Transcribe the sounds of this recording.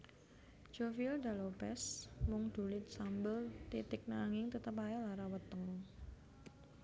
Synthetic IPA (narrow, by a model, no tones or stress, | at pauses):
d͡ʒ̥ofild̪a̤lopɛsmʊŋd̪̥ṳlɪt̪̚sambəlt̪it̪ɪk̚naŋɪŋt̪ət̪əp̬ajalaɾawət̪əŋ